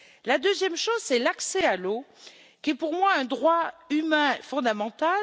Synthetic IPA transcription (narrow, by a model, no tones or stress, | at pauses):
lad̪øzjɛmʃozsɛlaksɛalo | kʲiɛpuʁmwaɛ̃d̪ʁwaymɛ̃fɔ̃d̪amɑ̃t̪al